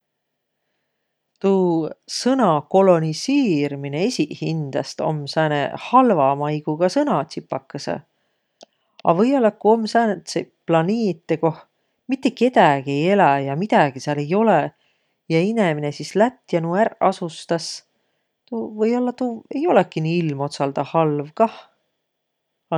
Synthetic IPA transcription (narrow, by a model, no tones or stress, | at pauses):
t̪usɤnɑko̞lo̞niseːɾimine̞esʲihind̪̥ɑst̪o̞̰msæːnḛhɑlvɑmɑjɡ̥uɡ̥ɑsɤnɑt̪sipːˑɑkːɑsḛ | ɑ̰vɤjolːɑkuo̞msæːnet̪seplɑneːt̪ːeko̞h | mit̪ˑːe̞ke̞t̪æɡ̥ie̞je̞læjɑmit̪æɡ̥isiɑle̞jo̞le | jɑineminesislæt̪ːjɑnuærɑsust̪ɑs | t̪uvɤjolːɑt̪ue̞jo̞lekːiniːilmo̞t̪sɑld̪̥ɑhɑlvkɑh | ɑ